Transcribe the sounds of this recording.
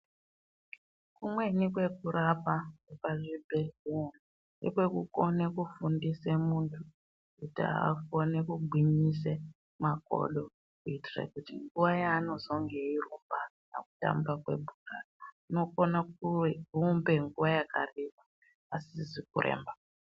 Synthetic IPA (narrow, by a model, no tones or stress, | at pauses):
kumwe̞nikwe̞kuɾapakepaʐibʱeɮena | nḛkwe̞kuko̞nekufundisemuntʰu | kutia̰a̰konekuɡ͡ǃʱiɲise | mako̞̰ɗo̞ | kuitirḛkutiŋɡuʋajaːno̞zo̞ŋɡe̞irumba | na̰ku̥ta̰mbakwḛbʱukarauno̞konakurumbe̞ŋɡuʋajakarima | asizikurʔḛːmba